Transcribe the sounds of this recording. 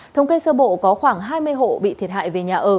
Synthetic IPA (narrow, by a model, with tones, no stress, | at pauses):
t̪ʰə˧wŋ͡mke˧səː˧ɓo̰˧˨kɔ˨˦xwaː˧˩ŋɦaː˧jmɨ˧əjɦo̰˧˨ɓḭ˧˨t̪ʰi˨˩ət̚ha̰ː˧˨jve˨˩ɲaː˨˩ʔəː˨˩